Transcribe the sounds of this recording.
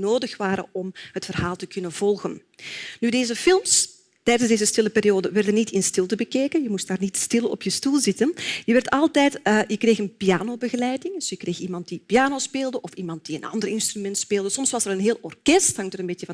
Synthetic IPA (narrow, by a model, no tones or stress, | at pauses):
noːdəxʋaːɾə̰ɔmɦətfərɦaːlˠtəkɵnənv̥ɔlˠɣən | nydeːzəfɪlˠms | tɛjdənzdeːzəstɪləpeːɾijoːdəʋɛrdənitʰɪnstɪlˠtəbəkeːkənjəmustdaːrnitstɪlˠɔ̰pjəstulˠzɪtənjəʋɛrtɑlˠtɛjtːjəkreːxənpijaːnoːbəɣəlɛjdɪŋdsjəkreːximɑnt̚dipijaːnoːspeːlˠdəʔɔfimɑnt̚d̥iənɑ̰ndərɪnstrymɛntspeːlˠdəsɔmsʋɑsəɾənɦeːlˠɔrkɛsthɑŋtəɾəmbeːtjəvɑ